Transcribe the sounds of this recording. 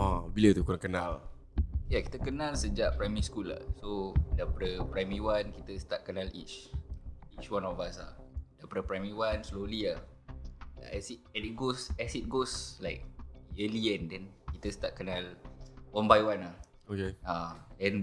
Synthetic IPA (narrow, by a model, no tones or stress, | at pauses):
abilət̪ukunakənãl | jaki̥t̪əkənalsəd͡ʒaʔpɾajmiiskula̰hsodapəɾəpɾajmiwankit̪əst̪at̪̚kənalḭt͡ʃ | it͡ʃwanɔfbaasa̰dapɾəpɾajmiwansloliah | a̰ɛsitɛnit̚ɡosɛsit̪̚ɡoslaɪk̚əliɛ̃ndɛnkit̪əst̪at̚kənalwanbajwanah | okeadɛn